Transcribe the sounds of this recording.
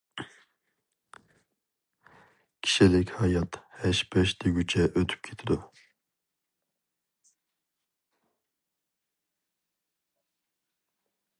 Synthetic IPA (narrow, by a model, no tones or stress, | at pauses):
kʲʰi̥ʃilɪkʲhɑjɑt̪hɛʃbɛʃd̪ɛɡʲyt͡ʃʰɛʔøt̪ʰy̥p̚kʰe̥t̪ʰid̪u